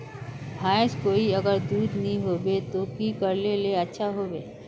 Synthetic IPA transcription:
bʱaːskoːiəɡəɾd̪uːd̪nĩɦobet̪okikəɾleleətːʃʰaɦoːbeː

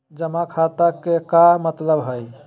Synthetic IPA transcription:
d͡ʒəmakʰat̪akekamət̪ləbɦəj

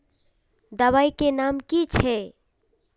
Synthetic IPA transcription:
d̪əβajkenamkit͡ʃʰɛ

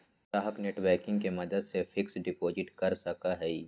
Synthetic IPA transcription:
t̪aːɦəkneːʈbɛːkɪ̃ŋɡkemɐd̪əd̪sefʰɪksɖɪpoːd͡ʒɪʈkɐɾsɐkaɦɛi

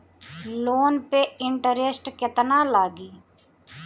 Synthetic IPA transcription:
loːnpeɪɳʈəɾesʈkɪt̪nalaːɡiː

